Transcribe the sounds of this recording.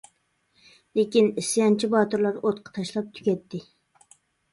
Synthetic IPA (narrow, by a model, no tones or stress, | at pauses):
lekʲinɪsɪjɑnt͡ʃʰibɑːt̪ʊɾlˠɑɾot̪̚qʰɑ̥t̪ʰɑʃlˠɑp̚t̪ʰy̥kʲɛt̪ːɪ